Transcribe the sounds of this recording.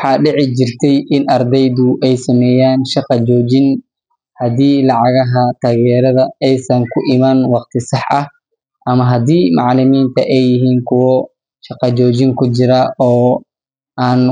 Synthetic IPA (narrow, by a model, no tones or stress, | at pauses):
wħɑːɖɪʕɪt͡ʃɪrt̪ʰɛjʔɪnʔɐrd̪ɛjðʊʔɛjsɐmɛːjaːnʃɑqɑd͡ʒɔːt͡ʃɪn | hɐd̪iːlɑʕɑɣɐɦɐt̪ʰaːɣɛːɾɐðɐɛjsɐŋkʰʊʔɪmaːnwɑqt̪ʰɪsɑħɐh | ʔɐmɐɦɐd̪iːmɑʕlɪmiːnt̪ʰɐʔɛjːɪɦiːŋkʰʊwɔ | ʃɑqɑt͡ʃɔːt͡ʃɪŋkʰʊt͡ʃɪɾɐɔː | aːn